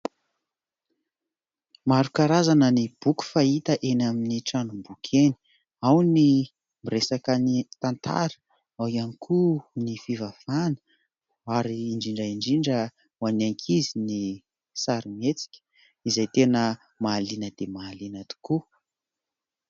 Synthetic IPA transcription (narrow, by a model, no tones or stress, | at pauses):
maɾukaɾazanənib̥uku̥fait̪əʔenaminiʈ͡ʂanumbukʰeni̥ | awni | miresakənit̪ant̪ʰa̰ɾə̥ | awianikʰunifivav̥anə̥ | aɾiːɳd͡ʒiɳɖ͡ʐaiɳɖ͡ʐiɳɖ͡ʐə | wanaŋkʰizini | saɾimet͡si̥kʲə̥ | izajt̪enə | maːlinəd̪emaːlinat̪u̥ku